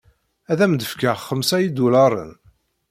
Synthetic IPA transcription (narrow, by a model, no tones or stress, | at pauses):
æðæmd̪əfkaʁχːəmsæjid̪ulɑɾˤə̰n